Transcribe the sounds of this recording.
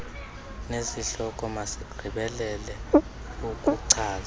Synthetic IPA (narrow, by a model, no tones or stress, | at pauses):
neziɬɔkʼɔmasiɡ͡ǀʱiɓɛlɛlɛ | ukʼuǀʰaːza